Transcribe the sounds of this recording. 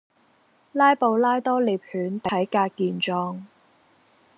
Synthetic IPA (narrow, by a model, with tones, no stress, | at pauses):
laː˥jpo˨˧wlaː˥jt̪ɔː˥li˨˩p̚hyː˨˥nt̪ɐ˨ɐ˨˥jkaː˧k̚kiː˨˧nt͡ʃɔː˧ŋ